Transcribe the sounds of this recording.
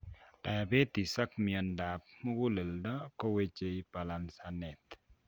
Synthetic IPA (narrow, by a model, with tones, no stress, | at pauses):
ta˨be˦t̪i˨sa˦kmi˨ɔ˨nda˨p̚mɔ˦ɡu˦lə˨ldɔ˦kɔ˦we˦t͡ʃe˦i˦pa˨la˨nsa˨nɛ˨t̪